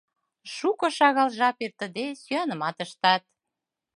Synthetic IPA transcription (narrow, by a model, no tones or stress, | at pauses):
ʃukɤ̆ʃɑɣɑlʒɑpert̪ə̆d̪esyɑnəmɑt̪əʃt̪ɑt̪̚